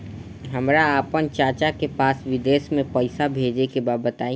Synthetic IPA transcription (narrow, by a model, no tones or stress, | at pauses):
ɦəmɾaːpənt͡ʃaːt͡ʃakepaːsʋɪd̪eːʃmẽpəɪsabʱeːd͡ʒekebaːbət̪aːĩ